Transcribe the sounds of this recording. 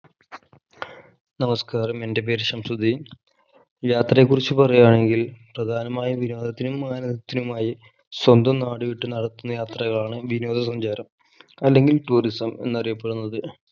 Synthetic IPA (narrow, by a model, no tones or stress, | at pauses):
nɐmɐskaːrɐme̞nde̞p̬e̞ːɾsɐmsɐd̪ʱi | jaːt̪rɐjek̬ːurit͡ɕːupɐrɐjaːɳe̞ŋɡilprɐd̪ʱaːnɐmaːjiʋino̞ːd̪ʱɐt̪ːinumːaːnɐd̪ɐt̪ːinumaːji | swɐnd̪ɐmnaːɽɨʋiʈːɨnɐɽɐt̪ːunːɐjaːt̪rɐɣɐɭaːɳɨʋino̞ːd̪ʱɐsɐɲd͡ʑaːɾɐm | ɐlːe̞ŋɡilʈuːrisɐme̞̰nːɐrijɐpːe̞ɽunːɐðɨ